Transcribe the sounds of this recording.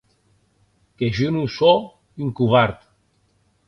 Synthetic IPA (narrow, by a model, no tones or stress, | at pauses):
keʒunuso | yŋkuβaɾt̪